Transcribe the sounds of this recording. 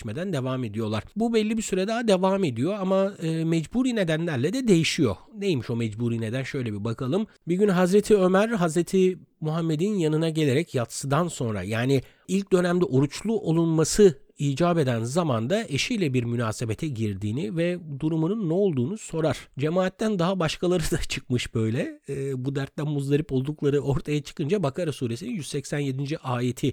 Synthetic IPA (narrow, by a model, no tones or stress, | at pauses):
ʃmed̪ænd̪e̞vaːme̞d̪ijo̞lˠa̰ɾ̥bubɛlʲːibisyɾɛd̪aːad̪e̞vaːme̞d̪ijo̞amaɯːmɛd͡ʒbuːɾiːne̞d̪ænlʲæɾlʲɛd̪ɛd̪e̞jiʃijo̞̰nejimiʃo̞mɛd͡ʒbuːɾiːne̞d̪ænʃø̞jlʲebibakʰalˠɯm | biɟynɦazɾet̪ʰiø̞mæɾɦazɾet̪ʰimuɦamːe̞d̪injanɯnaɟe̞lʲe̞ɾɛcjat̪sɯd̪anso̞nɾa̰jaːni | ilʲc̚d̪ø̞næmd̪ɛʔo̞ɾut͡ʃlˠuʔo̞lˠunmasɯiːd͡ʒaːbe̞d̪ænzamand̪aʔe̞ʃijlʲɛbiɾmynaːse̞be̞t̪ʰɛɟiɾd̪iːnivɛd̪uɾumununːɛo̞lˠd̪uːnuso̞ɾaɾ̥d͡ʒe̞maːt̪ːænd̪aɦabaʃkʰalˠaɾɯd̪at͡ʃʰɯk̚mɯʃbø̞jlʲɛːbud̪æɾt̪̚lʲænmuzlˠaɾɯpo̞lˠd̪uklˠaɾɯʔo̞ɾt̪ʰajat͡ʃʰɯ̥kɯnd͡ʒabakʰaɾasuːɾesininjyz̥sɛcsænje̞d̪ind͡ʒiʔaːje̞t̪ʰi